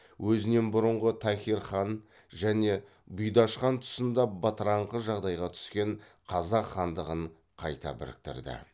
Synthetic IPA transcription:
wʔɵzɪne̞nbʊɾəɴʁət̪ʰæxʲiɾχɑn | ʒæne̞ | bʊjd̪ɑʃqɑnt̪ʰʊ̥sənd̪ɑbɑt̪əɾɑɴqəʒɑʁd̪ɑjʁɑt̪ʰʏ̥skʲe̞ɴ | qʰɑzɑqχɑnd̪əʁəɴ | qʰɑjt̪ɑ̰bɪ̰ɾɪ̰k̚t̪ɪ̰ɾd̪ɪ̰

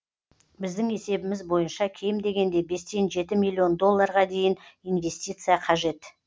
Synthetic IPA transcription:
bɪzd̪ɪŋe̞se̞bɪmɪzbo̞jənʃɑkʲʰe̞jɪmd̪e̞ɡʲe̞nd̪e̞be̞st̪e̞nʒe̞t̪ɪmilʲˠːio̞nd̪o̞lˠːɑɾʁɑd̪e̞jɪninve̞st̪ʲijt̪sɨjɑqʰɑʒe̞t̪

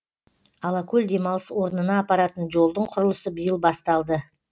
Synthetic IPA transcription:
ɑlˠɑkʲʰɵld̪e̞mɑlˠəswo̞ɾənənɑːpɑɾɑt̪ənʒo̞lˠd̪əɴqʰʊɾəlˠəsəbəjəlˠbɑst̪ɑlˠd̪ə

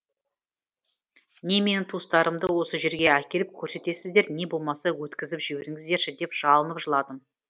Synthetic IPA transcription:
ne̞me̞nɪt̪ʰust̪ɑɾəmd̪əwo̞səʒe̞ɾɡʲe̞ækʲe̞lɪp̚kʲʰɵɾse̞t̪e̞sɪzd̪e̞ɾne̞bo̞lˠmɑsɑwɵt̪kʲɪzɪpʒɪweɾɪŋɪzd̪e̞ɾʃɪd̪e̞pʒ̥ɑlˠənəpʒəlˠɑd̪əm

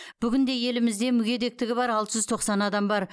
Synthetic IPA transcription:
b̥ʏɡʲɪnd̪e̞je̞lɪmɪzd̪e̞mʏɡʲe̞d̪e̞k̚t̪ɪɡʲɪbɑɾɑlˠt̪əʒʏzt̪ʰo̞qsɑnɑd̪ɑmbɑɾ

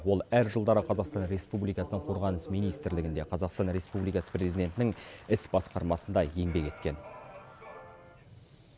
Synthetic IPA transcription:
wo̞lˠæɾʒəlˠd̪ɑɾəqʰɑzɑqst̪ɑnɾe̞spublijkɑsənəɴqʰo̞ɾʁɑnəsmijnijst̪ɪɾlɪɡʲɪnd̪e̞qʰɑzɑqst̪ɑnɾe̞spublijkɑsə̥prʲe̞zid̪e̞nt̪ɪnɪŋɪsbɑsqɑɾmɑsənd̪ɑje̞ŋbe̞kʲe̞t̪kʲe̞n

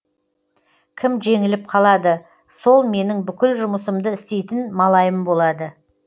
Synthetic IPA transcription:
kʲʰɪmʒe̞ŋɪlɪp̚qʰɑlˠɑd̪ə | so̞lˠme̞nɪŋbʏkʲɪlʒʊməsəmd̪əɪst̪e̞jt̪ɪnmɑlˠɑjəmbo̞lˠɑd̪ə

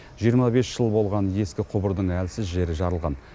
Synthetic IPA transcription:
ʒ̥ijəɾmɑbe̞sʒ̥əlˠbo̞lˠʁɑnje̞skʲɪqʰʊbəɾd̪əɴælsɪzʒe̞ɾɪʒɑɾəlˠʁɑ̰n

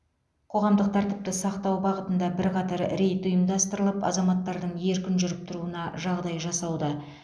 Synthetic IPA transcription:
qʰo̞ʁɑmd̪əq̚t̪ʰæɾt̪ɪp̚t̪ɪsɑqt̪ɑwbɑʁət̪ənd̪ɑbɪɾqʰɑt̪ɑɾɾe̞jt̪ʊjəmd̪ɑst̪əɾəlˠəpɑ̰zɑmɑt̪ːɑɾd̪əɴje̞ɾkʲɪnʒʏɾɪp̚t̪ʰʊɾuənɑʒɑʁd̪ɑjʒɑsɑwd̪ə

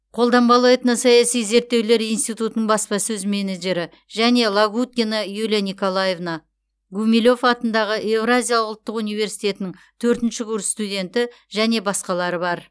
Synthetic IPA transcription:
qʰo̞lˠd̪ɑmbɑlˠɑjt̪ənəsɑjɑsijze̞ɾt̪ːe̞wle̞ɾijnst̪ijt̪ut̪ənəɴbɑspɑsɵzmeneʒe̞ɾɪ | ʒæne̞lˠaɡut̪̚kʲenɑjulʲanʲiko̞lˠaje̞vna | ɡumʲilʲo̞fɑt̪ənd̪ɑʁəʔe̞vɾazʲijalˠəʊlˠt̪ːəqunijve̞ɾsijt̪ʲe̞t̪ɪnɪŋ | t̪ʰɵɾt̪ɪnʃɪɡuɾst̪udʲe̞nt̪ɪ | ʒæne̞bɑsqɑlˠɑɾəbɑɾ

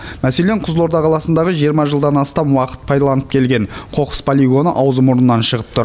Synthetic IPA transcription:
mæse̞leɴqʰʊzlˠo̞ɾd̪ɑqʰɑlˠɑsənd̪ɑʁəʒijəɾmɑʒəlˠd̪ɑnɑst̪ɑmwɑqə̥t̪̚pʰɑjd̪ɑlˠɑnəp̚kʲʰe̞lɡʲe̞ɴqʰo̞qə̥spʰolʲijɡo̞nəʔɑwzəmoɾənənːɑnʃəʁəp̚t̪ʰʊɾ

